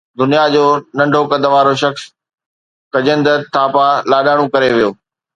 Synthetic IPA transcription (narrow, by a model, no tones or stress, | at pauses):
d̪ʊnijad͡ʑoːnɐ̃ɳɖʱokɐd̪əʋaːɾoʃɐxs | kɐd͡ʑə̃nd̪ət̪ʰaːpalaːɗaːɽ̃ũkɐɾeʋijoː